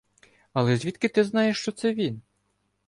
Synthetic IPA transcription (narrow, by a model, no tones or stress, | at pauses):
ɐlˠɛzʲʋʲit̪kɪt̪ɪznɑjeʃt͡ʃɔt̪sɛʋʲin